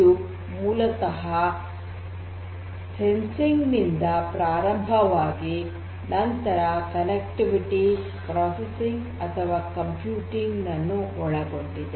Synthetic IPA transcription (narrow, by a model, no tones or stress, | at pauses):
u | muːlɐt̪ɐɦɐ | sensiŋɡnind̪ɐpɾaːɾɐmbʱɐʋaːɡi | nɐnt̪ɐɾɐkɐnek̚ʈiʋiʈi | pɾaːsesiŋɡ | ɐt̪ʰɐʋaːkɐmpjuːʈiŋɡnɐnːuɔɭɐɡoɳɖid̪e